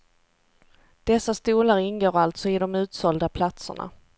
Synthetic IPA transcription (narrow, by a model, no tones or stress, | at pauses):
d̪̥ɛsːast̪uːləɾɪnɡoːɾalt̪sɔɪd̪ɔmʉ̟ːt̪sɔld̪apʰlat̪sə̰ɳa̰